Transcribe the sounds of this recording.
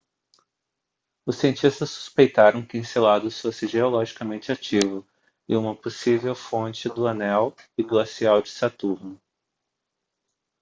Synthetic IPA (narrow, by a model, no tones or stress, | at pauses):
ʊsiẽnt͡ʃist̪ɐsːu̥spejt̪aɾɐ̃w̃kɪĩselad̪ʊsfosɪʒeolɔʒikɐmẽnt͡ʃɪat͡ʃivʊ | ɪũmɐposivewfõt͡ʃɪd̪ʊɐnɛwɪɡlasiawd͡ʒɪsat̪uɾnʊ